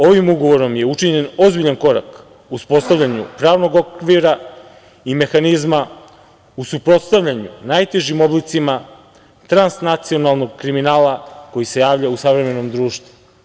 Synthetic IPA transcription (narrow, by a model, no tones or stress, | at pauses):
o̞ʋimuɡo̞ʋo̞ɾo̞mje̞ut͡ʃiɲe̞no̞zbiʎanko̞ɾa̰k | uspo̞tst̪avʎʲaɲṵpɾaːʋno̞ɡo̞kʋiɾa | ime̞xanizma | usupɾo̞t̪st̪aʋʎaɲunajt̪e̞ʒimo̞blit̪sima | t̪ɾansnat̪sio̞nalˠno̞ɡkɾiminaːlako̞jise̞jaːʋʎausaʋɾe̞me̞no̞md̪ɾuːʃt̪vu̥